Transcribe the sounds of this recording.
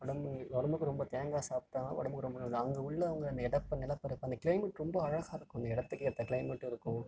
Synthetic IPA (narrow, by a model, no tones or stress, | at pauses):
ʋɐɽɐmɔɽɐmɯkːɯɾɔmbɐt̪eːŋɡaːsaːp̚t̪aːnaːʋɔ̰ɽɐmɯkːɯɾɔmbɐnːnɐŋɡɐʊɭːɐɐʋɐŋɡɐɐnd̪ɐɪɽɐpːɐnːɛlɐpːɐɾɯpːɐnd̪ɐkɪɭɐɪmɛʈɾɔmbɐɐɻɐɣaːɪɾɯkːʊ̃ɐnd̪ɐɪɽɐt̪ːɯkːɪɾt̪ːɐkɪɭɐɪmɛʈːɪɾɯkːʊ̃